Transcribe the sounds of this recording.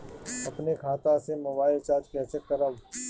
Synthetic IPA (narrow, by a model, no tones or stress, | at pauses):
ɐpnekʰaːt̪asemoːbaːɪlt͡ʃaːɾd͡ʒkɛːsekːɐɾaʋ